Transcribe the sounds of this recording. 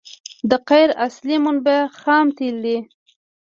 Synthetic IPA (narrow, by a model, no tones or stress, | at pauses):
d̪əqajɾaslimʊnbaxɑmt̪ild̪i